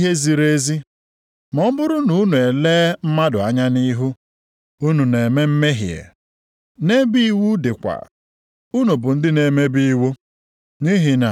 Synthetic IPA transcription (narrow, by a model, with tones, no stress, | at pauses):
ɦe˦zi˨ɾe˦zi˦ | mɔ˦m̩˦bʊ˦ɾʊ˦nu˨u˦nu˨e˨leː˦m̩˦ma˦dʊ˨a˦ɲa˦ni˦ɦu˦ | u˦nu˨ne˨me˦m̩˦me˦ɦi˨ḛ˨ | ne˦bi˦wu˦dɪ˨kʷa̰˨ | u˦nu˨bʊ˨n̩˦dɪ˦ne˨me˦bi˦i˦wu˦ | ni˦ɦi˨na̰˨